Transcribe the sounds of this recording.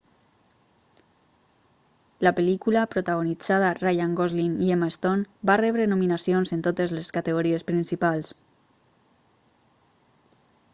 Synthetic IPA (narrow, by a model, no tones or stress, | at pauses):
lapelikulapɾot̪aɣ̞onid͡zaðarajaŋɡozliniemaest̪onbarɛβɾenuminasionzent̪ot̪ezleskat̪eɣoɾiespɾinsipalˠs